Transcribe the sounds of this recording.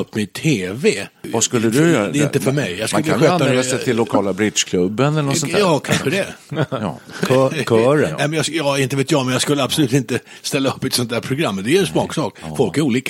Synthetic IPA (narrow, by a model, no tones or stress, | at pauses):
ɵpːmɪt̪ʰeːvɛaskɵlːəd̪ɵjœːɾd̪ɛɪnt̪əfœɾmɛjjɑskɵlːəaɧøːt̪ːaɛassɛt̪ɪlːʊkʰɑːlabɾɪd̪ʂkʰlɵbːənɛlənɔsɔnɑːkʰanɧəd̪ɛ̰ | kʰœːɾnɛɪmɛnjɑsjɑːɪnt̪əveːt̪jɑmɛnjɑɡskɵlːəabsʊlʉ̟ːt̪ɪnt̪ə | st̪ɛlːaɵpːɛt̪sɔnt̪d̪æːɾpʰɾʊɡɾamːd̪ɛɛnsmɑːksɑːkfɔlkæɾuːliːk